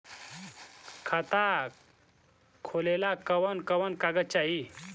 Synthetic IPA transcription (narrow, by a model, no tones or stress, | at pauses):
kʰat̪a | kʰolelakəʋənkəʋənkaɡət͡ɕaɦi